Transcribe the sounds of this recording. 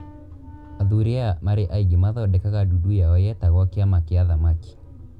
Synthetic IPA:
aðuɾeamaɾeʔaiɡimaðɔdɛkaɣadudujaɔjɛtaɣɔkeamakeaðamaki̥

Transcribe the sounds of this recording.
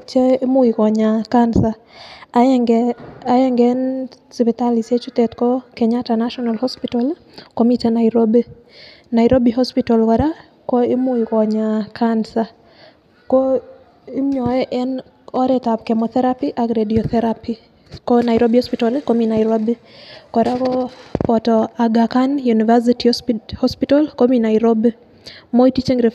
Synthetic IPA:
t͡ʃeemʊikɔɲakansa | ɡaɛŋɡɛn | sipɛt̪aliset͡ʃut̪ɛt̪kɔkɛɲatanaʃɔnalhɔspitɔl | komitenaiɾobe | naiɾobiɦɔspitɔlkaɾa | kɔemʊikɔɲakʰansa | kɔ | imɔɛʔɛn | ɔɾɛtapkɛmɔt̪ɛɾapiʔaɡɾediɔθɛɾapi | kɔnaɪɾobihɔspitalkominaiɾobikɔɾakɔpɔtɔaɡakanjunivas̬itihɔspitalkominaiɾobe | moitit͡ʃeŋɾe

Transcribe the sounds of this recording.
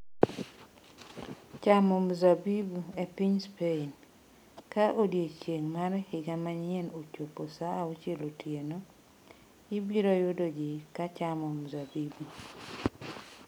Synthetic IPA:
t͡ʃamomzabibuepiɲspein | kaʔodjet͡ʃeŋmaɾhɪɡamaɲɪɛnot͡ʃoposaːot͡ʃelotjeno | ibiɾojodod͡ʒikat͡ʃamomzabibu

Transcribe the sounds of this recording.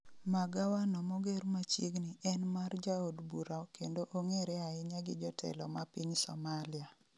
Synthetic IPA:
maɡawanɔmɔɡeɾmat͡ʃiɡnɪɛnmard͡ʒaodbuɾakendoʔoŋeɾɛaɪɲaɡɪd͡ʒɔtʰɛ̰lɔmapiɲsɔmalia

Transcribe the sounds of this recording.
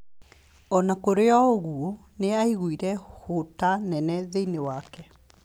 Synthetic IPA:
ɔnakoɾeɔoɣuo | neaiɣuiɾɛhotanɛnɛðeinewakɛ

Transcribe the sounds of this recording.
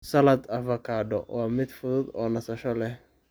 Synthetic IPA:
sɐlɐd̪ɐfɐkʰaːɖɔwaːmɪd̪fʊðʊd̪ɔːnɐsɐʃɔlɛh

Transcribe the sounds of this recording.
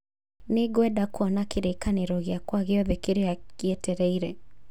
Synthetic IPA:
neɡwɛdakwɔnakeɾekaneɾɔɣeakwaɣeɔðekeɾeakiɛtɛɾɛiɾɛ

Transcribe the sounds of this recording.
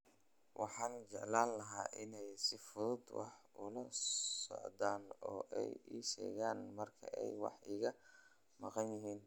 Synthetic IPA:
wʔɑ̰ħɑːnt͡ʃɛʕlaːnlɐɦaːʔɪnɛjsɪfʊðʊd̪wɑ̰ħʊlɐsɔ̰ʕd̪aːnɔːʔɛjiːʃɛ̰ːɣaːnmɐrkʰɐ̰ʔɛjwɑ̰ħiːɣɐ | mɑqɑnjɪɦiːn

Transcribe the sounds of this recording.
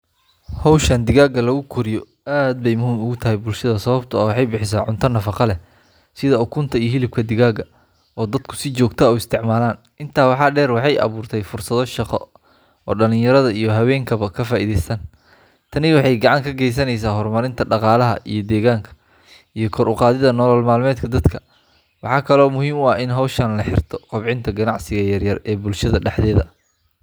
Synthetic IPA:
hɔwʃɐnd̪ɪɣaːɡɐlɐɣʊkʰʊɾɪjɔ | aːd̪̚bɛjmʊɦuːmʊɣʊt̪ʰɐɦɛjbʊlʃɐðɐsɐβɐbt̪ʰɐɔːwɑħɑjbɪħɪs̬aːʕʊnt̪ʰɐnɐfɑqɑlɛ | sɪðɐʊkʰʊnt̪ʰɐijɞɦɪlɪb̚kʰɐd̪ɪɣaːɡɐ | ɔːd̪ɐd̪kʰʊ̥sɪt͡ʃɔːɡt̪ʰɐɔwɪst̪ʰɪʕmaːlaːn | ʔɪnt̪ʰaːwɑħɑːɖɛːrwɑħɑjʔɐ̰βuːrt̪ʰɛjfʊrsɐðɔʃɑqɔ̰ | ɔ̰ːɖɐlɪ̃ɲjɐɾɐðɐijɞɦɐwɛːŋkʰɐβɐkʰɐfaːʔiːðɛjsɐn | t̪ʰɐnɪwɑħɑjɡɑʕɑŋkʰɐɡɛjs̬ɐnɛjsaːɦɔrmɐɾɪnt̪ʰɐɖɑqɑːlɐɦɐ̰ʔijɞd̪ɛːɣaːŋkʰɐ̥ | ijɞkʰɔɾʊqɑːðɪðɐnɔːlɔlmaːlmɛːd̪kʰɐd̪ɐd̪kʰɐ | wɑħɑːkʰɐlɔːmʊɦiːmʊɑɪnɦɐwʃɐnlɐħɪ̰rt̪ʰɔ̥qʊβʕɪnt̪ʰɐɡɐnɑʕsɪɣɐjɐrjɐrɛːbʊlʃɐðɐɖɛħðɛːðɐ

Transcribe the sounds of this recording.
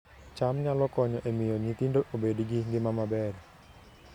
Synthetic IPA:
t͡ʃamɲalɔkɔɲɔʔemijoɲit̪indʊk̚obediɡiŋɡemamabɛr

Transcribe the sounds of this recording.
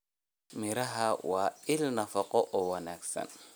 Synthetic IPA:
mɪɾɐɦawaːɪlnɐfɐqɔʔɔwɐnaksɐ̰n

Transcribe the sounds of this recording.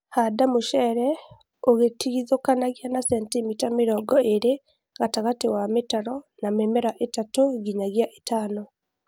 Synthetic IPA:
hadamoʃɛɾɛ | oɣetiɣiðokanaɣianasɛntemitameɾɔːɡɔeɾe | ɣataɣatewametaɾɔnamɛmɛɾaʔetatoɣiɲaɣjaʔetaːnɔ

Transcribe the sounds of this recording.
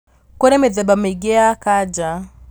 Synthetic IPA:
kɔɾɛmɛðɛbameɡɛakad͡ʒa

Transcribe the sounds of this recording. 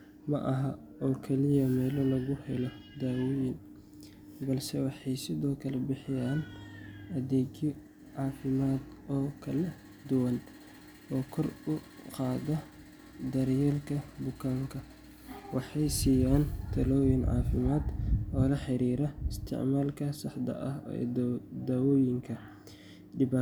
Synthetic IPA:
mɐʔɐɦɐ | ɔːkʰɛlɪjɐmɛːlɔlɐɣʊhɛlɔ | d̪aːwɔjɪn | bɐlsɛwɑħɑjsɪðɔːkʰɐlɛbɪħɪjaːnʔɐðɛːɡɪ | ʕɑːfɪmaːd̪ɔːkʰɐlɛ | d̪ʊwɐn | ɔːkʰɔrʊ | qɑːðɔ | d̪ɐɾjɛːlkʰɐbʊkʰaːŋkʰɐ | wɑħɑjsiːjaːnt̪ʰɐlɔːjɪnʕɑ̰ːfɪmaːd̪ɔːlɐħɪɾiːɾɐɪst̪ʰɪ̰ʕmaːlkʰɐsɑħd̪ɐ̰ʔɐ̰ | d̪ɐwɔːjɪŋkʰɐ | d̪ɪbaː

